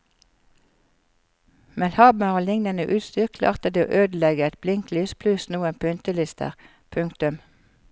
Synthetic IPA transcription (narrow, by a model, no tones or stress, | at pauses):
mɛlhɑːbmɑoːlɪŋnənəʔʉːt̪st̪yːʁkʰlɑ̰ːʁt̪əd̪eːo̰ːʔøːd̪lɛɡəɛt̪̚blɪŋklyːspʰlʉsnuːənpʰʉnt̪əlɪst̪ʰə̰ʁ | pʰʉŋkt̪ʉm